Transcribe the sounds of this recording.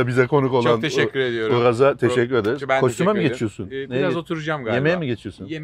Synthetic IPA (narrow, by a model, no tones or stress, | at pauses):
abizɛkʰo̞nuko̞lˠanʰeʃɛːyɾed̪ijoɾuɾazat̪ʰeʃɛcːyɾed̪eɾzkʰo̞ʃt̪ʰumamiɟe̞t͡ʃʰijo̞suneɾazzot̪ʰuɾud͡ʒamɡjemejɛmiɟet͡ʃʰijo̞sun